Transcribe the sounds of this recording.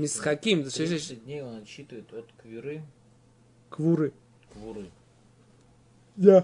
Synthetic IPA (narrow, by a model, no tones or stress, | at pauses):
mʲɪsxɐkʲimt̪seʃdʲnʲejonɐɕːit̪ɨvəɪt̪ot̪kvʲɪɾɨ | kvuɾɨ | kvʊɾɨ | ja